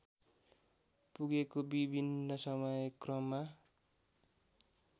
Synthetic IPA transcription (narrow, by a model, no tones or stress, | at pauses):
puɡekobibʱinːʌsʌmʌjkrʌmːa